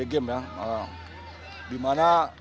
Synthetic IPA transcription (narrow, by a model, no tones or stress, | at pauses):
eɡemjaa | dimana